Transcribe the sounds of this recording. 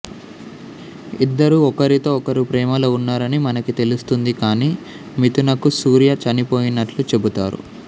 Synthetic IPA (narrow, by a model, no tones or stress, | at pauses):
id̪ːɐɾuɔkɐɾit̪o̞ːɔkɐɾipɾɛːmɐluunːaːɾɐnimɐnɐkit̪e̞lust̪und̪ikaːniː | mit̪unɐkusuːɾijɐt͡ʃɐnipo̞ːjinːɐʈlut͡ʃe̞but̪aːɾṵ